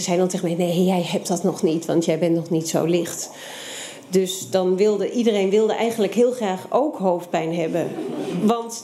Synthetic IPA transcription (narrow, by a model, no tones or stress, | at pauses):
zɛjdɔ̃ntɛəmɛntnejjɛjɦɛp̚dɑtnɔχnitʋɑ̰ntjɛjbɛnnɔχnitso̰wlɪχt | døsdɑnʋɪlˠdəʔidərejnʋɪlˠdəʔɛjχəndləkɦɪːlˠχraːχʔowkɦowft̚pɛjnɦɛbə̰ʋɑnt